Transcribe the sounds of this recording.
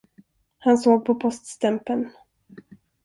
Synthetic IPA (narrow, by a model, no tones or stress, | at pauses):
hansoːɡ̚pʰɔpʰɔst̪st̪ɛmpən